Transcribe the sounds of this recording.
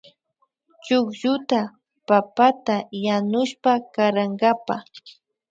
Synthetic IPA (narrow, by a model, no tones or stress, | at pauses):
t͡ʃʊkʒʊt̪a | papat̪ajanʊʃpakaɾaŋɡapa